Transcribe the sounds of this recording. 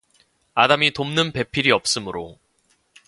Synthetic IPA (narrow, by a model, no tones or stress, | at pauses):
adamitomnɯnpe̞pʰiɾiʌp̚s͈ɯmɯɾo